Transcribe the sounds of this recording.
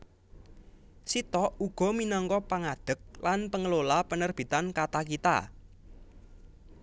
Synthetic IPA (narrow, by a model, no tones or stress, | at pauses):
sit̪ɔʔuɡ̥ɔ̤minɔŋkɔpaŋaɖ̪̥ə̤k̚lanpəŋəlolapənərb̥i̤t̪ankat̪akit̪a̰